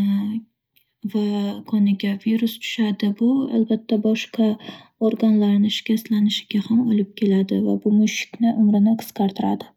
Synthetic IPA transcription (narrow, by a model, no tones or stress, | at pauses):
vakʰɒnɪɡʲaviɾʊst͡ʃʰʊ̥ʃad̪ɪbʊa̰lbat̪ʰːabɒʃqʰa | oɾɡanlaɾnɪʃɪ̥kʲast̪lanɪʃɪɡʲahamolɪp̚kʲʰe̞lad̪ɪvabʊmʊʃɪ̥kʲnɪʔʊmɾɪnɪqʰɨ̥skaɾt̪ʰɪɾad̪ɪ